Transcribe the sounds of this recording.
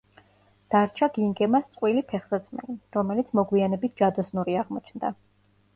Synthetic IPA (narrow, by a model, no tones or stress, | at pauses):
d̪̥aɾt͡ʃʰaɡiŋɡɛmast̪sʼqʼwilipʰɛχz̥ɛd̪smɛ̰liɾɔmɛlit̪sʰmɔɡwianɛbit̪̚ʰd͡ʒad̪ɔsnuɾiaʁmɔt͡ʃʰnd̪a